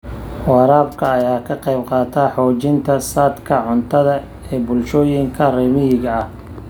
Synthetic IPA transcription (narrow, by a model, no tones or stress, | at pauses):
wɑːɾaːbkʰɐːjaːkʰɐqɑjbqɑːt̪ʰaːħɔːt͡ʃɪnt̪ʰɐsaːd̪kʰɐʕʊnt̪ʰɐðɐ | ɛːbʊlʃɔːjɪŋkʰɐrɛːmɪjɪɣɐɐh